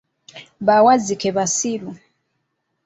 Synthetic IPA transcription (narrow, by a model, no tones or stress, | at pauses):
βawazikeβasilu